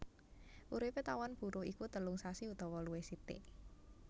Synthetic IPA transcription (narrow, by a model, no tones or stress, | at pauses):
ʔuɾipet̪awanb̥ṳɾʊhikut̪əlʊŋsasiut̪ɔwɔluwesit̪ɪ̰